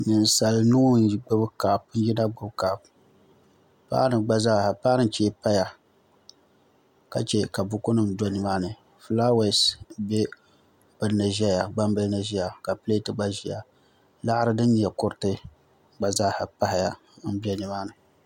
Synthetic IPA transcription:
nɨ˨n˦sa˨lnu˦ɡ͡bʊ˦bɨ˦kaː˨pn̩˦ji˦na˦ɡ͡bʊ˦bkaː˨p | pa̰ː˦nɨ˨ɡ͡ba˦zaː˦˨ha˨pa˦nɨ˦n˦t͡ʃeː˦pa˦ja˨ | ka˨t͡ʃɛ˦ka˨bʊ˦kʊ˦nɨ˨mdɔ˦nɨ˨maː˦nɨ˨ | fla˦we˨sbe˦ | bɨ˨lnɨ˨ʒa˦ja˨ɡ͡ba˦m˦bɨ˦lna˨ʒi˦ja˨ka˨pɨ˦le˦tɨ˦ɡ͡ba˦ʒi˨ja̰˨ | la˦ʔɾɨ˦dɨ˦nɲ˨ɛ˨kʊ˦ɾɨ˦tɨ˦ | ɡ͡ba˨zaː˦˨ha˨pa˦hɪ˨ja̰˨˦ | n̩˦bi˦ɛ˦nɨ˨maː˦nɨ˨

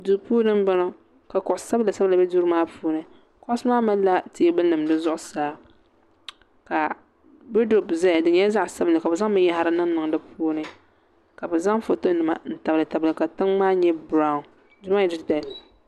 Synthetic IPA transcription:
du˨˦puː˦nɨ˦m˦ba˦no˦ | ka˨kʊ˨ʔʊ˨sa˦bla˨sɛ˦bɨ˦la˨bɛ˦du˦ɾmaː˦pʰuː˦nɨ˨ | kʊ˦sɨ˦maː˦ma˦la˦ti˦bɨ˦nɨ˨mdɨ˦zʊ˦ʔʊ˨saː˦ | ka˨ | bo˦do˨bzɛ˦˨dɨ˨ɲɛ˦za˦ʔsa˦bɨ˦lɨ˨ka˨bɛ˨za˦ŋmɨ˦ja˦ha˦ɾɨ˦nɨ˦ŋ˦nɨ˨ŋ˨dɨ˦pʰuː˦nɨ˦ | ka˨bɛ˨za˦ŋfo˨to˦nɨ˨ma̰˨n̩˨ta˨blɨ˨ta˨bɨ˨lɨ˨ka˨tɨ˦ŋmaː˦ɲɛ˦bɾa˦ʊ˨n | du˦ma˦jɛ˨dɨ˦˨da˨li˨

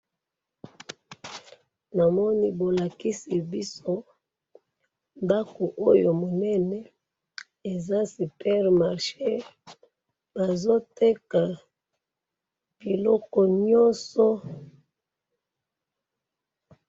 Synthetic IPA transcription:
na˨mɔ˦ni˦bo˨la˨ki˦si˨bi˦so˦ | nda˦ko˨ʔo˦jo˨mo˨nɛ˦nɛ˨˦ | e˨za˦si˨pɛ˦ʁma˨ʁʃe˦ | ba˨zo˦te˦ka˨ | b̥i˨lɔ˦kɔ˨ɲɔ˦sɔ˦

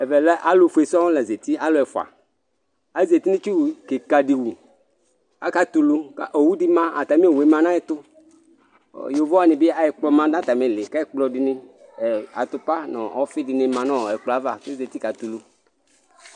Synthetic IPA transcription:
ɛ˨vɛ˨lɛ˦ʔa˦lʊ˨˦fu˨e˨sa˦ɔ̃˦lɛ˨ze˨t̪i˦a˦lʊ˦ɛ˨fa̰˨ | a˦ze˨t̪i˦nĩ˦t͡ʃu˦˨ke˨ka˨di˨wu˨ | a̰˨˦ka˦t̪u˨lu˦ka̰˦˨ʔo˨wu˦di˦mã˦a˨t̪a˨mĩ˦e˨we˨˦mã˦nã˦jɪ˦t̪ʊ˦˨ | jo˨vɔ˦a˨nɪ̃˨bɪ˦a˨jɪ˦k͡plɔ˦mã˦dã˦t̪a˨mɛ̃˨lɪ˨ka˦ɪ˦k͡plɔ˨dɪ˨nɪ˦ɛ˨a̰˨t̪ʊ˦pa˦nɔ̰̃˨ɔ˦fɪ˦dɪ˨nɪ̃˦mã˨nɔ̃˦˨ɛ˨k͡plɔ˨a˨˦va˨ke˦ze˨t̪i˦ka˨t̪u˨lu˨

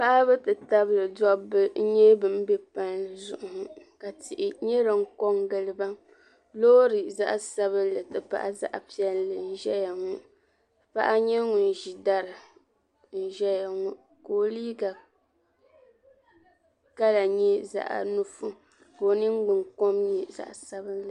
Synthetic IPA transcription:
pa˦ʔa˦bɨ˦tɨ˨ta˦blɨ˨dɔ˦bɨ˦ɲɛ˦bɨ˨m˦bɛ˦pa˦nzʊ˦˨ʔʊ˨hka˨tɪ˨ʔɪ˨ɲɛ˦ɾɨ˨ŋ̩˦kɔ˦ŋɡɨ˨lɨ˦ba˦ | lo˦ɾɨ˨za̰˦ʔa˦sa˦βɨ˦lɨ˨tɨ˨pa̰˦ʔa̰˦za̰˦ʔa̰˨pi˦ɛ˦llɨ˨n̩˦ʒɛ˦ja˨ŋu˦ | pa̰˦ʔa˦ɲɛ˦ŋu˨n˨ʒi˨da˦ɾɨ˨ | n̩˨ʒɛ˦ja˨ŋu˦ | koː˨liː˦ɡa˨ | ka˦la˨ɲɛ˦za̰˨ʔa̰˨nu˦fu˦ | bo˨nɨ˦ŋ˦ɡ͡bɨ˨ŋ˨kɔ˦mɲɛ˨za̰˨ʔsa˦bɨ˦nlɨ˨

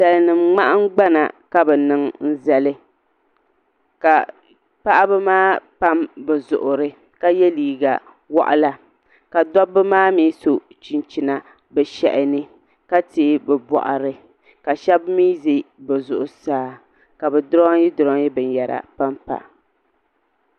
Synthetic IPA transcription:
sa˨lɨ˦nɨ˨mŋ͡ma˦ʔa˦ŋ˦ɡ͡ba˦na̰˨ka˦bɛ˨nɨ˦ŋn̩˦za˨lɨ˦ | ka˨ | pa˦ʔa˦bɛ˦maː˦pa˦mbɛ˨zʊ̰˨ʔʊ˨ɾɨ˦ | ka˦jɛ˦liː˨ɡa̰˨ | wɔ̰˦˨ʔa̰˦la˨ | ka˨dɔ˦bɨ˦maː˦miː˦so˨t͡ʃi˨nt͡ʃi˨na˨ | bɛ˨ʃɛ̰˨ʔɪ˨nɨ˦ | ka˦teː˨˦bɛ˨bɔ̰˨ʔa̰˨ɾɨ˦ | ka˨ʃɛ˦bmiː˦zi˦bɛ˨zʊ˨ʔʊ˨saː˦ | ka˨bɛ˨dʊ˦ɾɔ˦ji˦dʊ˨ɾɔ˦ŋ˦ji˦bɨ˨n˨jɛ˨ɾa̰˨pa˦mpa̰˨

